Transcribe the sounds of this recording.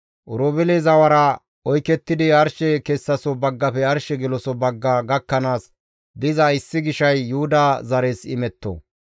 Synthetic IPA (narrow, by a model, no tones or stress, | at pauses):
ʔʊɾoːbɛlezɐwɐɾɐ | ɔjkɛt̪ːɪd̪ɪɐɾʃɛkɛsːɐsɔbɐɡːɐpɛɐɾʃɛɡɪlɔsɔbɐɡːɐɡɐkːɐnaːs | d̪ɪzɐɪsːɪɡɪʃɐjːuːd̪azɐɾeːsɪ̰mɛt̪ːo̰